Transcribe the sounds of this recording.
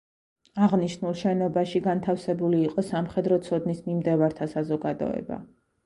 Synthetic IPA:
aʁniʃnulˠʃɛnɔbaʃiɡant̪ʰafsɛbuliːqʼɔsamχɛd̪ɾɔt̪sʰɔd̪nismimd̪ɛvaɾt̪ʰasazɔɡad̪ɔ̰ɛ̰ba̰

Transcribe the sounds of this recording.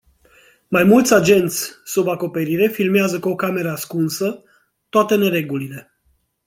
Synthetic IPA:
majmult̪sʲad͡ʒe̞nt̪sʲsubako̞pe̞ɾiɾe̞filmeazəkuo̞kame̞ɾəaskunsə | t̪oat̪e̞ne̞ɾe̞ɡulile̞

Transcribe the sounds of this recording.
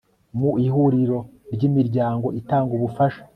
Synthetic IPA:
muihuɾiɾo̞ɾɟimiɾɟaːŋɡo̞ʔitaːŋɡuβufaʃḁ

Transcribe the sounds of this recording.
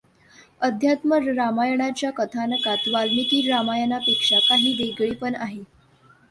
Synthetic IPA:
əd̪ʱjat̪məɾamajəɳat͡ɕjakət̪ʰanəkat̪ʋalmik̪iːɾɾamajənapekʂakaɦiːd̪eɡɭiːpəɳaɦe

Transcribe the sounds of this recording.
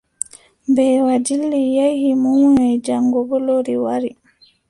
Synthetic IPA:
mbɛːwad͡ʒilːijajhimuwnɛd͡ʒaŋɡɔbɔloɾiwaɾi

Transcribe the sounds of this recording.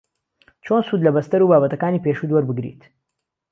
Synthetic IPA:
t͡ʃʰoːnsuːd̪lɐbɐst̪ɐɾubaːβɐt̪ɐkaːniːpeʃuːd̪wɔɾbɨɡɾḭt̪

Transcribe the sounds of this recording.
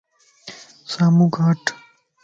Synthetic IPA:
saːmuɡʱaːʈ

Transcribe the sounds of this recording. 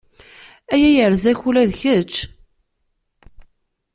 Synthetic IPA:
æjæjəɾzæçulæðçət͡ʃː

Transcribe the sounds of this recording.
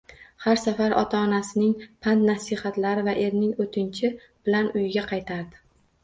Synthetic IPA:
haɾsafaɾɒ̰t̪ʰaɒnasɪnɪŋpʰant̪nasɪhat̪laɾɪvaʔe̞ɾnɪŋot̪ʰɪnt͡ʃʰɪ | b̥ɪlanʊjɪɡʲaqʰɑjt̪ʰaɾd̪ɪ̥

